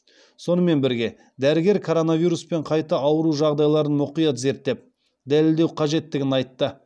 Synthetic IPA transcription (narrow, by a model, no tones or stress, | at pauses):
so̞nəme̞nbɪɾɡʲe̞ | d̪æɾɪɡʲe̞ɾkʰo̞ɾo̞navijɾuspe̞ɴqʰɑjt̪əɑwəɾuʒɑʁd̪ɑjlˠɑɾənmʊqijɑt̪ze̞ɾt̪ːe̞p̚ | d̪ælɪld̪e̞wqʰɑʒe̞t̪ːɪɡʲɪnɑjt̪ːə